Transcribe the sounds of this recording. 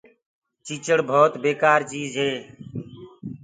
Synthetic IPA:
t͡ʃiːt͡ʃəɽbʱoːt̪beːkaːɾt͡ʃiːzɦeː

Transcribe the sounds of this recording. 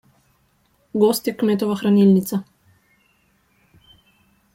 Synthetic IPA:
ɡɔst̪jɛkmɛt̪ɔʋaxɾanilnit̪sa

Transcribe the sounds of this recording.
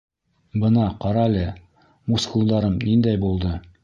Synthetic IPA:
bɤnɑqɑɾɑlʲɘ | muskulˠd̪ɑɾɤmnind̪æjbulˠd̪ɤ

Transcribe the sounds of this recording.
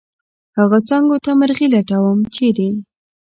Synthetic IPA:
haɣat͡sɑŋɡot̪aməɾɣilaʈawəmt͡ʃed̪e

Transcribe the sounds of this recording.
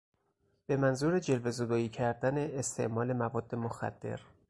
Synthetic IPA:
b̥e̞mænzuːɾed͡ʒe̞lve̞zod̪ɒːiːcʰæɾd̪æne̞ːst̪ʰe̞̰ʔmɒːle̞mævɒːd̪ːe̞moxæ̰d̪̥ːe̞̰ɾ

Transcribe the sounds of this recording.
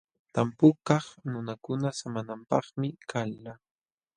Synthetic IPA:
t̪ampʊkɑχnʊnakʊnasamanampɑχmɪkʰalːa

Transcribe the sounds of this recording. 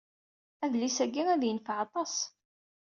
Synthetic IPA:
æðlisæɡiŋæðjənfəʕɑt̪ˤɑs

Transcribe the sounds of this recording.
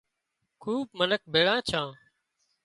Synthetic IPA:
kʰuːb̚mənək̚bʱeːɭãːt͡ʃʰãː

